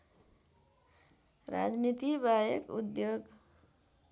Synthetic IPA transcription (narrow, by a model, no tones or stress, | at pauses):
ɾa̰d͡ʒnit̪ibajekṵd̪joɡ